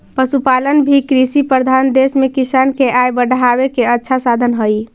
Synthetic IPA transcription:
pəsupalənbʱikɾisipɾəɾd̪ʱand̪esmekisankeʔajbəɖʱabekeətːʃʰasad̪ʱənɦəj

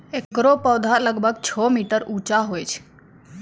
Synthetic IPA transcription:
ekɾopəwd̪ʱaləɡbʱəɡt͡ʃʰɔmiʈəɾuːt͡ʃaɦojt͡ʃʰ

